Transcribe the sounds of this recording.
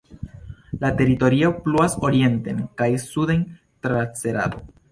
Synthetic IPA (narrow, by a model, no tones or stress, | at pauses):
late̞ɾito̞ɾio̞pluaso̞ɾie̞nte̞nkajsuden | tɾat͡se̞ɾa̰do̞̰